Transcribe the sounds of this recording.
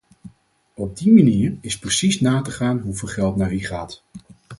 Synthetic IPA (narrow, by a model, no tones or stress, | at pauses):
ɔb̚dimaniːɹɪsprəsisnaːtəχaːnɦuvɪːlˠχɛlˠtnaːɹiχaːt